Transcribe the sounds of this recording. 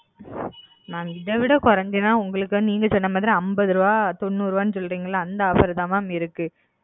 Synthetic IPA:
naːmɪðɐʋɪɽɐkɔɾɐnd̪enːaːʊŋɡɐɭɯkːɯniːŋɡɐsɔnːɐmaːðɪɾiɐmbɐðɯɾɯʋaːt̪ɔnːuːɾɯʋaːnːɯsɔlːɯɾiːŋɡɐɭlːaːnd̪ɐɐpɐɾɐðaːmaːmɪɾɯkːɯ

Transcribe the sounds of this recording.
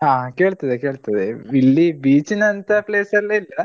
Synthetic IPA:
ɦãːke̞ːɭt̪ɐd̪eke̞ːɭt̪ɐd̪eiɭːibiːt͡ʃinɐnt̪ɐpleːsɐleilːɐ

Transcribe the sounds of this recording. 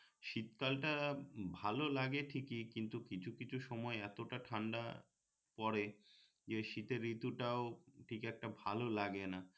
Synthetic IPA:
ʃit̪kalʈabʱalolaɡeʈʰikikint̪ukit͡ɕʰukit͡ɕʰuʃɔmɔeɛt̪oʈaʈʰaɳɖa̰ | pɔɾe | d͡ʑeʃit̪eɾːit̪uʈaoʈʰikɛk̚ʈabʱalolaɡena

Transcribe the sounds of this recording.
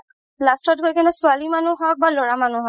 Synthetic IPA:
lastɔt̚ɡʱojkʰanɛsʊalimanuɦɔjk̚balɔɹamanuɦɔ

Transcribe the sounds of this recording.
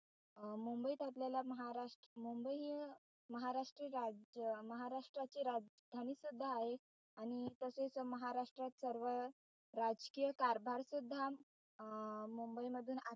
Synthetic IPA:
mumbəit̪at̪lalaməɦaɾaʂʈmumbəi | məɦaɾaʂʈɾiɾad͡ʑəməɦaɾaʂʈɾat͡ɕiːɾad͡zd̪ʱaniːsud̪ʱːaːɦe | añit̪əsesəməɦaɾaʂʈɾat̪səɾʋə | ɾad͡zkijəkaɾbʱaɾsud̪ʱːa | mumbəiməd̪ʱuːna

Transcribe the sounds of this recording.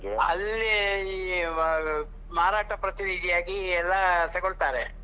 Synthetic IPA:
ɐ̰lːe | maːɾaːʈɐpɾɐt̪iɾiːd͡ʒijaːɡiɛlːɐsɛɡoɭt̪aːɾe

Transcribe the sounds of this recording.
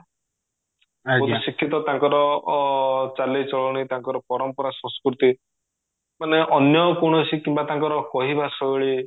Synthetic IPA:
ot̪isikʰːit̪ɔt̪ãŋkɔɾɔ | t͡ʃalet͡ʃɔɭɔɽ̃it̪aŋkɔɾɔpɔɾɔmpɔɾasɔ̃nskɾut̪i | maneʔɔnjɔkoɽ̃ɔsikimbat̪aŋkɔɾɔkɔɦibasɔɭi

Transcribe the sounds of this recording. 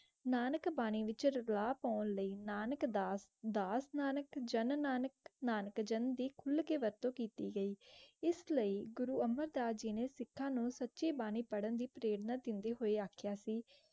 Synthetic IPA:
naːnəkbaːñiːʋɪt͡ʃɾlaːpaːnləiːnaːnəkd̪ad̪aːsnaːnəkd͡ʒənnaːnəknaːnəkd͡ʒənd̪iːkʰʊlkeːʋəɾt̪õːkiːt̪iːɡəiːɪsləiːɡʊɾuːəməɾd̪aːd͡ʒiːneːsɪkʰːãːnũːsətːʃiːbaːñiːpəɽənd̪iːpəɾeːɽnaːd̪ɪnd̪eːɦoːeːaːkʰjaːsiː

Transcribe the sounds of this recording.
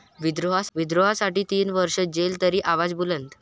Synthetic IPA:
ʋid̪ɾoɦaʋid̪ɾoɦasaʈiːt̪iːnʋəɾʂəd͡ʑelt̪əɾiːʔaʋad͡zbulənt̪

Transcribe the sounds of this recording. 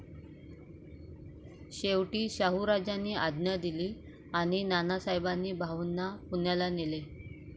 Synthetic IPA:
ɕeʋʈiːɕaɦuɾad͡ʑanːiːʔad̪njad̪iliː | aɽ̃inanasajbanːiːbʱaʋunːapunjalanele

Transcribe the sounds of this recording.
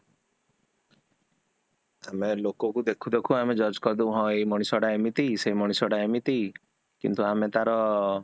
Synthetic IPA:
amelokɔkud̪ekʰud̪ekʰuamed͡ʒɔd͡ʒkɔɾd̪uɦɔ̃ejmɔɽ̃isɔɽaemit̪isemɔɽ̃isɔɽaemit̪i | kḭnt̪uamet̪aɾɔ

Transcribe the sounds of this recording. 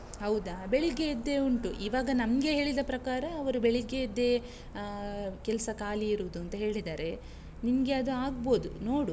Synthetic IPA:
ɦɐwd̪abeɭiɡeid̪ːe̞uɳʈuʔiːʋaːɡɐnɐmɡe̞ɦe̞ːɭid̪ɐpɾɐkaːɾɐːʋɐɾubeɭiɡeid̪ːe̞ | kɛlɐsɐkaːliːɾuʋd̪uɐnt̪ɐɦe̞ːɭid̪aːɾe̞ | nimɐɡeɐd̪uaːɡbo̞ːd̪uno̞ːɽu

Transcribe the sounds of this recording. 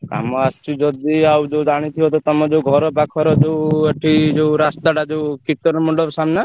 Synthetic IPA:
ka̰mɔast͡ʃʰid͡ʒɔd̪iawd͡ʒewd͡ʒaɽ̃it̪ʰiɔt̪ɔt̪ɔmɔd͡ʒeuɡʱɔɾɔbakʰɔɾɔd͡ʒeweʈʰid͡ʒeuɾast̪aɖad͡ʒeukit̪ɔɾɔmɔɳɖɔsamna

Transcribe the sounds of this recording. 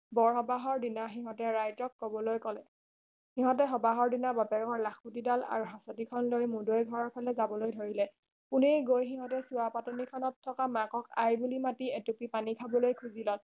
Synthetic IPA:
bɔɹɦɔbaɦɔɹdinaxiɦɔtɛɹajtɔkːɔbɔlojkɔlɛ | xiɦɔtɛɦɔbaɦɔɹdinabapɛɹɔŋɔɹlaxputidala̰ɹuɦasɔtikʰɔnlojmudojɡʱɔɹɔɹpʰalɛzabɔlojdʱoɹilɛ | punejɡojxiɦɔtɛsuwapatɔnikʰɔnɔtʰːɔkamakɔkajbulimatiɛtupipanikʰabɔlojkʰuzilɔt

